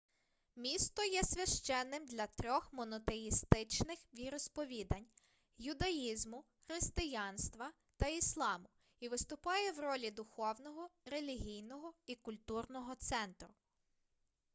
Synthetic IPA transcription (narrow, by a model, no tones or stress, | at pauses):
mʲist̪ɔjɛsʲʋʲɐʃt͡ʃɛnːɪmd̪lʲɐt̪ɾʲɔxmɔnɔt̪ejist̪ɪt͡ʃnɪxʋʲiɾɔspɔʋʲid̪ɐnʲ | jʊd̪ɐjizmʊ | xɾɪst̪ɪjɑnst̪ʋɐ | t̪ɐislˠɑmʊ | iʋɪst̪ʊpɑjɛwrɔlʲid̪ʊxɔwnɔɦɔɾelʲiɦʲijnɔɦɔikʊlʲt̪urnɔɦɔt̪sɛnt̪ɾʊ